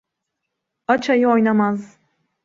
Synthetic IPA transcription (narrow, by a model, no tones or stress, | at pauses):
at͡ʃʰajɯojnamaz